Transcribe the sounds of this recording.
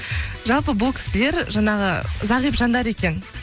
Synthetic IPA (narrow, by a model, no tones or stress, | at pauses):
ʒɑlˠpəbuʊlˠkʲʰɪ̥sɪleɾʒɑɴɑʁəzɑʁijpʒɑnd̪ɑɾe̞kʲe̞n